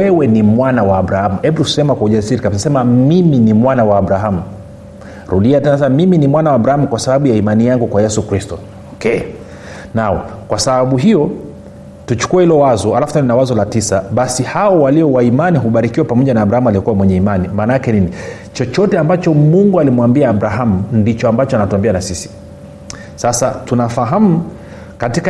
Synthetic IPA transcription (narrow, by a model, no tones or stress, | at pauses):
ɛwɛnimwanawaːɓɾahamuhɛɓutuu̥sɛmakwauʄasiɾikamsisɛmamiminimwanawaːɓɾaɦamu | ɾuɗiatɛnaas̬ɛmamiminimwanawaːɓɾahamukwasaɓaɓujaimanijaŋɡukwajɛsukɾistɔ | ɔkɛ | naɔ̰kwasaɓaɓuɦijɔ | tut͡ʃu̥kuɛhilɔwazɔalafutaɔninawazɔlatisaɓasihaɔwaliɔwaimaniɦuɓaɾikiwapamɔʄanaːbɾahamualiɔkuwamwɛɲɛimanimaːnaakɛnini | t͡ʃɔt͡ʃɔtɛambat͡ʃɔmuŋɡualimwambiaːɓɾaɦamundit͡ʃɔambat͡ʃɔanatuambianasisi̥ | sasatunafaɦamu | katika